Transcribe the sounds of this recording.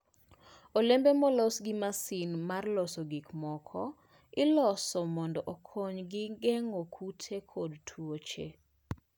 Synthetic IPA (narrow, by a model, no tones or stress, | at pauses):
olembemɔlɔsɡɪmasinmarlɔsoɡikmɔkʰɔ | ɪlɔsɔmɔndɔʔokʰoɲɡɪɡɛŋokʰutʰekʰodtʰwot͡ʃḛ